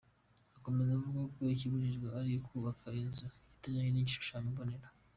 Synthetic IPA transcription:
ako̞me̞zavuɡakoiciβuɾiʒɡaaɾijokʰuːβakʰainzaitaɲaɲeniɟiʃu̥ʃamiboneɾa

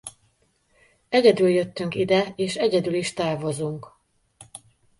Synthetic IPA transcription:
ɛɟɛd̪yljøt̪ːyŋkid̪ɛeːʃɛɟɛd̪yliʃt̪aːrvo̞zuŋk

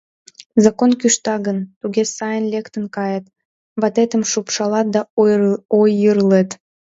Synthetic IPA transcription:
zɑkonkyʃt̪ɑɣənt̪uɣesɑjənlʲekt̪ənkɑjət̪ | βɑt̪et̪əmʃupʃɑlɑt̪̚d̪ɑ | ojəɾlet̪

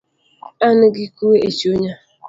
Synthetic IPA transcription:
anʊɡɪkuweʔet͡ʃioɲa

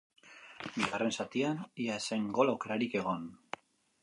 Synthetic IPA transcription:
biɣare̞nsat̪ianiaeseŋɡo̞lawke̞ɾaɾike̞ɣ̞o̞n

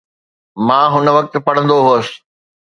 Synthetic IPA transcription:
mãːɦʊnə̆ʋɐk̚t̪̆pɐɽ̤ə̃nd̪oɦuəsɪ̥̆

